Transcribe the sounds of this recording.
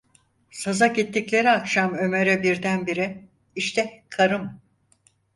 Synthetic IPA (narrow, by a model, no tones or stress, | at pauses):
sazaɟit̪ːiclʲe̞ɾiakʃamø̞meɾɛbiɾd̪ænbiɾɪ | iʃt̪ʰɛkʰaɾɯm